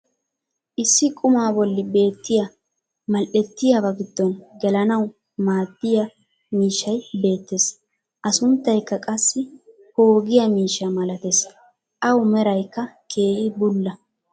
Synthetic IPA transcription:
ʔɪsːɪkʼʊmaːbɔlːɪbe̞ːt̪ːɪjɐ | mɐlʔɛt̪ːɪjɐbɐɡɪd̪ːɔnɡɛlɐnɐw | maːd̪ːɪjɐ | miːʃːɐjbe̞ːt̪ːes | ʔɐsʊnt̪ːɐjkːɐkʼɐsːɪ | ho̞ːɡɪjɐmiːʃːɐmɐlɐt̪es | ʔɐwmɛɾɐjkːɐkʰe̞ːʔɪbʊlːɐ

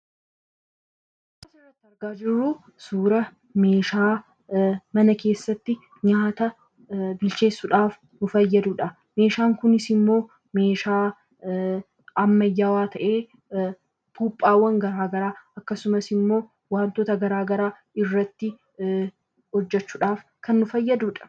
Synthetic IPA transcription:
tːɐsɪrːɐt̪ːɪɐɾɡaːd͡ʒɪrːuː | suːɾɐ | me̞ːʃaː | mɐnɐke̞ːsːɐt̪ːɪ | ɲaːt̪ɐ | bɪlt͡ʃe̞ːsːʊᶑaːf | nʊfɐjːɐd̪uᶑɐ | me̞ːʃaːŋkʊnɪsɪmːo̞ː | me̞ːʃaː | ɐmːɐjːaːwaːt̪ʰɐʔeː | puːpʼːaːwːɐŋɡɐɾaːɡɐɾaːɐkːɐsʊmɐsɪmːo̞ː | waːnt̪oːt̪ɐɡɐɾaːɡɐɾaː | ɪrːɐt̪ːɪ | hɔd͡ʒːɛt͡ʃːuːᶑaːfkʰɐnːʊfɐjːɐd̪uːᶑɐ̥

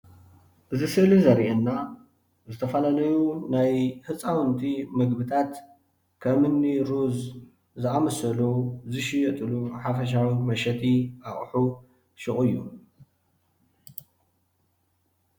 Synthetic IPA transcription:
ʔɨzisɨlizɐɾʔenːa | zɨt̪ʰɐfɐlalɐjunajhɨt͡sʼawnt̪ʰimɨɡbɨt̪ʰat̪ | kʰɐmɨnːiɾuz | zɨamɐsɐluzɨʃɪjɛt̪ʼɨluħafɐʃ̬awimɐʃɐt̪ʰiʔaχʼħu | ʃɨχʼɨjːṵ

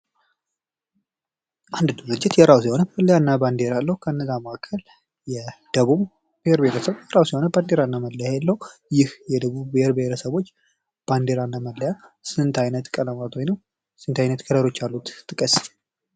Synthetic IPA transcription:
ʔand̪d̪ɨɾɨd͡ʒːɪt̪jɛɾawsiho̞nəməlːəjanːaband̪eɾalːəhukʰəɨnːəzaməʔakʰːəl | jɛd̪̥əβuβ | b̥eheɾbeeɾəsəβjɛɾawsihonəband̪eɾanːaməlːəjajɛlːəhujɪhjɛd̪əβuβbeheɾbeheɾəsəβo̞t͡ʃː | b̥and̪eɾanːaməlːəjasɨɨnt̪ʰajnət̪kʼələmat̪wojnəw | sɨnt̪ʰajnət̪kʰəd̪əɾo̞t͡ʃːalːut̪t̪ʰːɨkʼəs

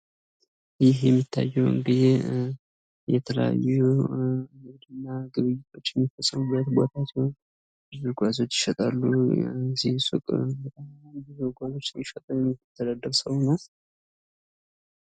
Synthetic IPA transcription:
jɪɦjɛmːit̪ʰːa̰jːɛwɨ̰ŋɡɨd̪e | jɛt̪ʰələja̰ju | mɨɡd̪ɨnːaɡɨβɨjːɪt̪ʰo̞t͡ʃːjɛmːifəsʼəmubːət̪bo̞t̪ʰat̪ɛ | bɨzɨɡʷazo̞t͡ʃːɪ̥ʃət̪ʼalːuzihsʊkʼbət̪ʼambizoɡʷazo̞t͡ʃːnɪʃət̪ʼəwjɛmːɨt̪ʰːəd̪ad̪əɾsəwnal

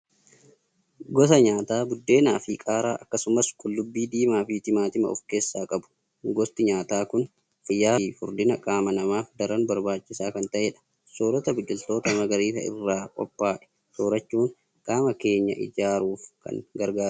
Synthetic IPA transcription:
ɡɔsɐɲaːt̪aːbʊd̪ːe̞ːna̰ːfɪkʼaːɾa̰ːʔɐkːɐsʊmɐskʼʊlːʊbːiːd̪iːmaːfɪt̪ɪmaːt̪ɪmɐ̰ɔ̰fke̞ːsːaːkʼɐbʊ̥ | ɡɔst̪ɪɲaːt̪aːkʊn | fɪjːaːfʊɾd̪ɪnɐkʼaːmɐnɐmaːfd̪ɐɾɐnbɐɾbaːt͡ʃːɪsaːkɐnt̪ɐʔeːᶑɐ̥ | soːɾɔt̪ɐbɪt͡ʃʼːɪlt̪o̞ːt̪ɐmɐɡɐɾiːt̪ɐ̰ɪ̰rːaːkʼɔ̰pʼːaːʔɛ̥ | soːɾɐt͡ʃːuːŋ | kʼaːmɐke̞ːɲːɐ̰ʔɪ̰d͡ʒaːɾuːfkɐ̰ŋɡɐɾɡaː

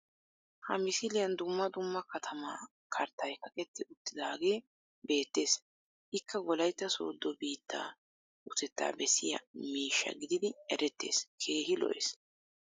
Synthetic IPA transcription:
hɐ̰mɪsɪlɪjɐnd̪ʊmːɐd̪ʊmːɐkɐt̪ʰɐmaː | kʰɐɾt̪ːɐjkɐkɛt̪ːɪʔʊt̪ːɪd̪ɐːɡe̞ː | be̞ːt̪ːe̞ːs | ʔɪkːɐɡɔlɐjt̪ːɐso̰ːd̪ːɔbiːt̪ːa̰ː | ʔʊt̪ɛt̪ːa̰ːbɛsɪjɐ̰miːʃːɐ̰ɡɪd̪ɪd̪ɪɛɾɛt̪ːe̞̰ːskʰe̞ːɦɪlɔ̰ʔḛs

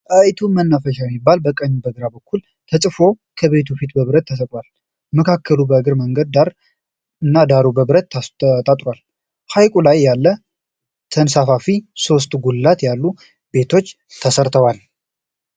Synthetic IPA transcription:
ʔəjt̪ʰumənːafəʃamibːalbəkʼəɲːubəɡɾabəkːul | t̪ʰət͡ʃʼɨfo̞ | kʰəβe̞t̪̬ʰufit̪bəβɨɾət̪ʰːəsəkʼwal | məkʰakʰːəlubəɨɡɨɾməŋɡəd̪̚d̪aɾ | ɨnːad̪aɾubəβɾət̪t̪ʼat̪ʼɾwal | hajkʼulajːalːə | t̪ʰənsafafiso̞s̬t̪ʼɡulːat̪jalːu | be̞t̪ʰo̞t͡ʃː | t̪ʰəsəɾt̪ʰəwal

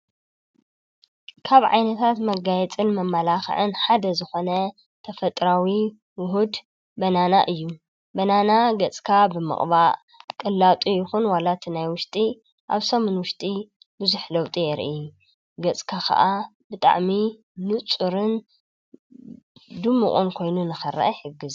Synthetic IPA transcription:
kʰaβʕa̰jnɐt̪ʰat̪mɐɡajɛt͡sʼɨnmɐmːɐlaxɐ̰ʕɨnħad̪ɐzɨxo̞nɐ | t̪ʰɐfɐt̪ʼɾawi | wʊɦud̪ | bɐnanaʔɨjːu | bɐnanaɡɐt͡sʼkʰabɨmɨ̰χʼβa | kʼɐlːat̪ʼujɪxunwalat̪ʰinajwʊʃt̪ʼi | ʔa̰βsɐmɨnwʊʃt̪ʼi | bɨzuħlɐwt̪ʼijɛɾʔi | ɡɐt͡sʼkʰakʰɐ̰ʔa | bɨt̪ʼa̰ʕmi | nɨt͡sʼuɾɨn | d̪ɨmːɨχʼunkʰo̞jnunɨxɐɾːɐ̰ʔɐħɨɡːɨz

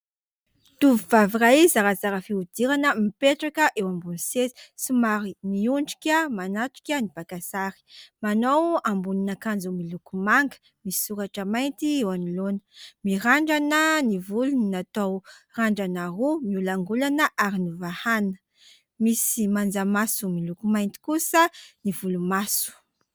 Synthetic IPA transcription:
t̪uvivavirajzaɾazaɾafiud̪̥iɾanəmipeʈ͡ʂakəʔewambunsez̥sumaɾiniuɳɖ͡ʐi̥kʲəmanat̪u̥kʲənib̥akasaɾi̥manowambuninakand͡zumilukumaŋɡə̥ | misi̥suɾaʈ͡ʂəmajnt̪iewanilonə̥miɾaɳɖ͡ʐanənivulunnat̪owraɳɖ͡ʐanaɾumiulaŋɡulanəʔaɾinivahanə̥ | misimand͡zamasumilukumajnt̪i̥kusənivulumasu̥

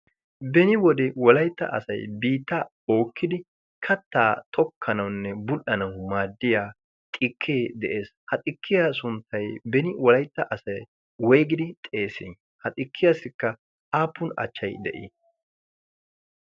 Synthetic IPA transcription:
bɛnɪwɔd̪ɛwɔlɐjt̪ːɐ̰ʔɐ̰sɐ̰jbiːt̪ːɐ | o̞ːkːɪd̪ɪ | kʰɐt̪ːaːt̪ʰʼɔkʰːɐnɐwnːɛbʊʔɐnɐwmaːd̪ːɪjaː | t̪ʼɪkʰːeːd̪ɛʔe̞ːshɐt̪ʼɪkʰːɪjasʊnt̪ʰːɐjbɛnɪwɔlɐjt̪ːɐʔɐsɐj | wɔjɡɪd̪ɪt̪ʼe̞ːsɪn | hɐt̪ʼɪkːɪjasɪkːɐ | aːpːʊnɐ̰t͡ʃːɐjd̪ɛ̰ʔḭ

